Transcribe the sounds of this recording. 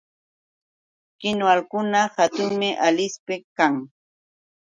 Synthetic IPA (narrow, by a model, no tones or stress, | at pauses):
kɪnwalkʊnahat̪ʊŋmɪʔalɪspɪkaŋ